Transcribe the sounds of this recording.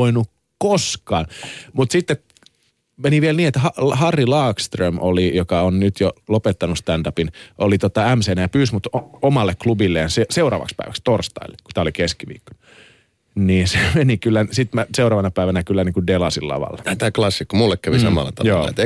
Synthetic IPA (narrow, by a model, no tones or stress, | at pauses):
oinu | koskɑːnmut̪sit̪ːe | meniʋielniːet̪hɑlhɑrːilɑːkst̪rømʔo̰lijokɑonnyt̪jolopet̪ːɑnust̪ændɑpinʔolit̪ot̪ɑæmseːnææpyːsmut̪omɑlːekklubilːejɑseseurɑ̰ːʋɑ̰kspæ̰iʋækst̪orst̪ɑ̰ilːeku̥t̪æːolikeskiʋḭːkːo̥nu | niːnsemenikylːæsit̪mæseurɑːʋɑnɑpæiʋænækylːæniːŋkudelɑsilːɑ̰ʋɑ̰lːɑt̪æːklɑsːikːomulːekkæʋisɑmɑ̰lːɑ̰t̪ɑ̰jo̰ːlːɑ̰ḛt̪